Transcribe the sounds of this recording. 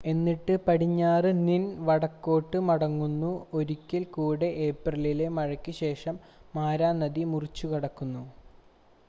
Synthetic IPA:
e̞nːiʈːɨpɐɽiɲːaːrɨninʋɐɽɐkːo̞ːʈːɨmɐɽɐŋːunːuo̞ɾukʲːilkuːɽe̞ʔeːprɐlile̞mɐɻɐkʲːɨɕe̞ːʂɐmː | aːɾaːnɐðimurit͡ɕːukɐɽɐkːunːu

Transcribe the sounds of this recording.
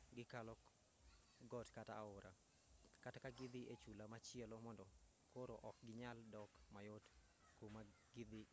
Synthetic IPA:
ɡɪkalɔ | ɡɔtkata̰ːʊɾa | katakaɡɪd̪iʔet͡ʃulamat͡ʃɪɛlomɔndɔ | kʰoɾoʔɔk̚ɡɪɲaldɔkmajot | koma | ɡɪd̪i

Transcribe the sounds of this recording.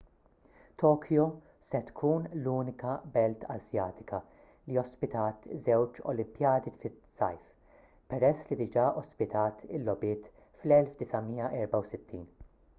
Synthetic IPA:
t̪ʰɔːkʰjɔ | sɛt̪kʰuːnluːnɪkɐbɛlt̪ʰɐ̰zjɐːt̪ɪkɐ | liɔspɪt̪ɐːt̪zɛwt͡ʃɔ̰lɪmpjɐːd̪ifɪt̪sɐ̰jf | pɛɾɛsːlid̪ɪd͡ʒɐːʔɔspɪt̪ɐːt̪ʰɪ̰lːɔbɪːt̪ | flɛlfd̪ɪsɐmiːjɐʔɛɾbɐwsɪt̪ʰːiːn

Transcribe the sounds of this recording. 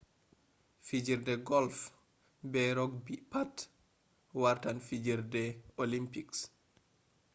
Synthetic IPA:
fid͡ʒiɾdɛɡɔlf | bɛɾɔɡbipat | waɾtanfid͡ʒiɾdɛolimpiks

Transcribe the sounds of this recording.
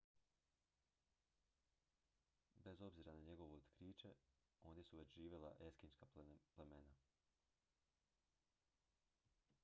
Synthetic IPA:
be̞zo̞bziːɾanaɲe̞ɡo̞ʋeot̪kɾiːt͡ʃe̞ | o̞ːnjesuʋe̞t͡ɕʒiːʋʲje̞lˠa̰ʔe̞skinskaplemena

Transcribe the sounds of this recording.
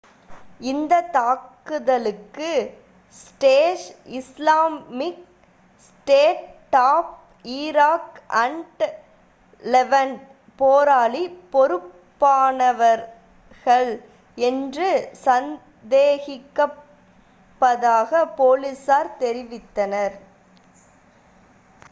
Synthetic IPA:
ɪnd̪ɐt̪aːkː | ɯðɐlɯkːɯ | sʈeːʂɪslaːmɪk | sʈeːʈʈaːp̚ | iːɾaːkʔɐɳɖ | lɛʋɐn | poːɾaːlipɔɾɯppːaːnɐʋɐɾ | ɣɐɭ | ɛndrɯsɐn | d̪eːɣɪkːɐ | pːɐðaːɣɐpoːlisaːɾt̪ɛɾɪʋɪt̪ːɐnɐɾ

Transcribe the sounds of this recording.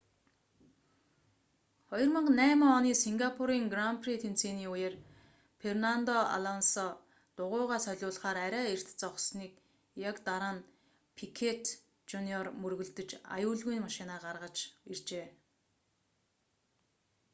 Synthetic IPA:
χɔjɞ̆rmə̆ɴnæːməɔniːsiŋɡapʰuɾiːŋɡrampʰrit̪ʰen̥t͡seːniːujer | fʰernant̪ɔa̰ɮɔnsɔ | t̪ʊʁʊːʁaːsœɮʲʊːɮ̆χaːɾæɾʲæːer̥t̪t͡sɔχsniːk | jakt̪aɾaːn | pʰikʰet̪ʰ | t͡ɕuniɔrmɵrɣɵ̆ɮt̪ɵ̆t͡ɕa̰jʊːɮɣujnmaʃɪnaːɢarʁə̆t͡ɕirt͡ɕeː

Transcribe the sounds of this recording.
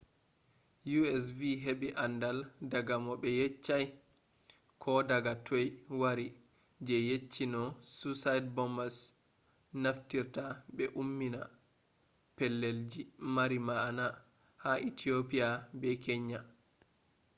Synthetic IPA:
juɛs̬viɦeɓiʔandaldaɡamɔɓɛjɛt͡ʃːaj | kʰɔdaɡatʰojwaɾi | d͡ʒɛjet͡ʃːinɔsusajdbɔmbas | naftiɾtabɛʔumːina | pɛlːeld͡ʒimaɾimaːna | haʔitʰiopijabɛkɛɲːa

